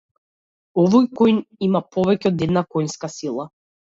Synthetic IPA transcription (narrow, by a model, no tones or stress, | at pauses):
ɔvɔjkɔjnimapɔvɛcɛɔd̪ɛd̪nakɔjnskasilˠa